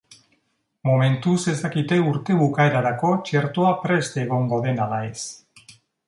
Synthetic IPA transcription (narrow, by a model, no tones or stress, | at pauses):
mome̞nt̪use̞st̪akit̪e̞uɾt̪e̞βukaeɾaɾako̞t͡ʃe̞ɾt̪oapɾe̞st̪eɣ̞o̞ŋɡo̞ðe̞nalae̞s